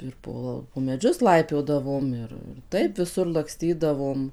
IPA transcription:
ɪr ˈpoː poː mʲɛˈd͡ʒʲʊs ˈlˠɐɪpʲoːdɐʋoːm ˈɪr ɪr ˈtɐɪp ʋʲɪˈsʊr lˠɐkˈsʲtʲiːdɐʋoːm

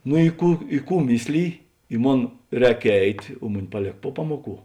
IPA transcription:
nʊ ɪ ˈkuː ɪ ˈkuː ˈmʲɪsʲlʲɪjɪ ɪ ˈmoːn ˈrʲɛːk ˈɛɪtʲ oː ˈmʊˌnʲɪ pɐˈlʲeːk pʊ ˈpɑːmuɔˌkuː

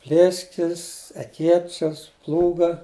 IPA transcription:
ˈpʲlʲeːsʲkʲɪs ɛˈkʲeːt͡ʃʲɛs ˈplˠuːɡɐ

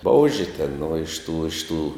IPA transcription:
ˈboːʊʒʲɪ tʲɛn nʊ ɪʃ ˈtuː ɪʃ ˈtuː

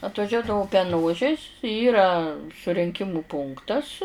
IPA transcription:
ɐtʋɐˈʒʲuɔdɐʋʊ pʲɛˈnoːʒʲɪs ˈiːrɐ sʊrʲɪŋʲˈkʲɪmʊ ˈpʊŋktɐs

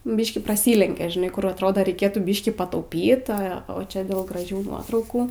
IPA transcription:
ˈbʲiːʃʲkʲiː prɐˈsʲiːlʲɛŋʲkʲɛ ʒʲɪˈnɐɪ ˈkʊr ɐtˈroːdoː rʲɛɪˈkʲeːtuː ˈbʲiːʃʲkʲiː pɐtɐʊˈpʲiːt ˈɐ oː ˈt͡ʃʲɛ dʲeːlˠ ɡrɐˈʒʲuː ˈnuɔtrɐʊkuː

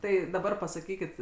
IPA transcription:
ˈtɐɪ dɐˈbɐr pɐsɐˈkʲiːkʲɪt

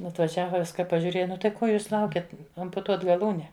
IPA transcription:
ɐtʋɐˈʒʲæːʋɐ ˈʋʲɪskɐ pɐʒʲuːˈrʲeːjɛ ˈnʊ tɐɪ ˈkoː ˈjuːs ˈlˠɐʊkʲɛt ɐmpʊˈtuɔt ɡɐˈlˠuːnʲɛ

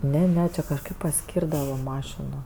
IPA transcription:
ˈnʲɛ ˈnʲɛ ˈt͡ʃʲɪ kɐʃˈkɐɪp pɐˈsʲkʲiːrdɐʋɐ ˈmɑːʃʲɪnoː

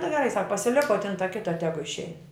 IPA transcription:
nʊ ɡʲɛˈrɐɪ sɐk pɐsʲɪˈlʲɪk oː tɐ ˈkʲɪtɐ ˈtʲæːɡʊ ɪʃʲˈɛɪn

